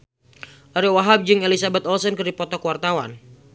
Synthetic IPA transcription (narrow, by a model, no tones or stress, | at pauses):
ʔaɾɛwaɦab̚d͡ʒɨŋelisabɛt̪ɔlsɔnkɨrdipɔt̪ɔkuwart̪awa̰n